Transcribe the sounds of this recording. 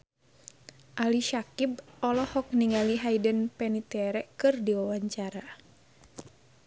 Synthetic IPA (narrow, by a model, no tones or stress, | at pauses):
ʔaliʃakib̚ɔlɔhɔk̚niŋaliɦaidənpɛnit̪ɛɾɛkɨrdiwawaɲt͡ʃaɾa